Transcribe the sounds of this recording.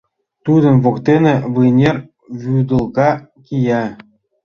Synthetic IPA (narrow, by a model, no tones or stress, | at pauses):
t̪ud̪ɤ̆nʋokt̪ʲenʲɘ̆ʋɯjnʲerʲ | ʋʲyd̪ɤ̆lˠkɑkʲijæ